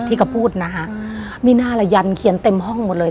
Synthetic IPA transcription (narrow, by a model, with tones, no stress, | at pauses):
t̪ʰiː˥˩kʰa˧˩pʰuː˥˩t̪̚na˦˥kʰa˦˧˥ʔ | miː˧naː˥˩la˧ja˧nkʰi˨˩˦nt̪e˧mɦɔ˥˩ŋmo˨˩t̪̚lɤː˧